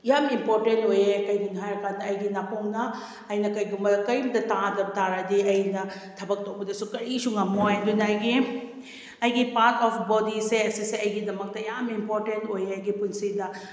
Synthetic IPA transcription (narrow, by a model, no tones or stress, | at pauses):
jamimpoɾtentojekɐjɡunɦajɐkanɐːjɡinakoŋnɐ | ɐjnɐkɐjɡumbɐkɐjmdɐtãdɐb̚taɾadiɐjnɐtʰɐbɐk̚tok̚bɐdɐsukɐɾisuŋɐmoajdunajɡi | ɐjɡipaɾtʰɔpʰbɔdiseɐsiseɐjɡidɐmɐk̚tɐjamimpoɾtentojɐjɡipunsidɐ